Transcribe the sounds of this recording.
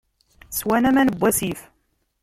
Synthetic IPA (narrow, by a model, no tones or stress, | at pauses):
swænæmænəbʷːæsif